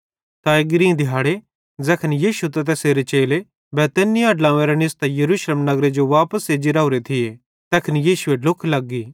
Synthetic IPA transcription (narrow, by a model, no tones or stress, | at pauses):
t̪aɪɡɾĩːd̪ʱɪɦaːɽe | d͡zɛːkʰənijiːʃut̪ɐt̪̬ɛːseːɾet͡ʃeːle | bɛːt̪ɛnijaɐɖlãːʋẽɾenɪst̪ajɐɾuːʃleːmnɐɡɾed͡ʒoʋaːpəsed͡ʒɪɾaːʊɾet̪ʰɪje | t̪ɛːkʰənijiːʃueɖʊkʰlɐɡːiː